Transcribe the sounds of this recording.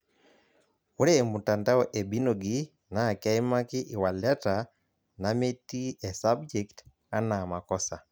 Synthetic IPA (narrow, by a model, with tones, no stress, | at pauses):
u˦ɾemu˨ta˨nda˦ɔʔe˨bi˦no˨ɡi | na˨ka˦i˦ma˦kɪ˦ʔɪ˨wa˨lɛ˦ta | name˦ti˦e˨sabd͡ʒɛkt | a˦na˨ma˨kɔsa˨